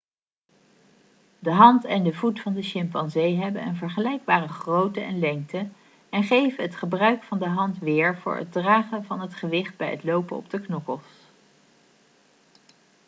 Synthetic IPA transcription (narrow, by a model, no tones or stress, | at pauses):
dəɦɑntɛndəvutfɑndəʃɛmpɑnzejɦɛbənənvəɹχəlɛjɡ̚baːrəχrowtəɛnlɛŋk̚tə | ɛnχejvənɦətχəbrœɥkfɑndəɦɑntʋɪːɹvʊ̰ːɹɦə̰d̚draːχənvɑnɦətχəʋɪχt̚bɛjətlowpənɔ̰b̚dəknɔkəlˠs